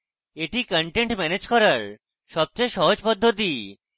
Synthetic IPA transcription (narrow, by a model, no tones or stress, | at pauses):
eʈikəɳʈeɳʈmɛned͡ʑkɔɾaɾ | ʃɔb̚t͡ɕojʃɔɦod͡ʑpod̪ʱːot̪i